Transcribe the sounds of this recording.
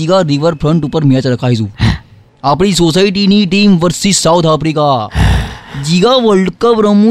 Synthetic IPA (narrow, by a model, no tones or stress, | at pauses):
iɡaɾiʋəɾfɾəɳʈupəɾmijat͡sɾəkʰaɦid͡zuː | apɽ̃iːsosaiʈiniʈiːmʋəɾsiːsawt̪ʰafɾika | d͡ʑiɡaʋəɭɖkəpɾəmu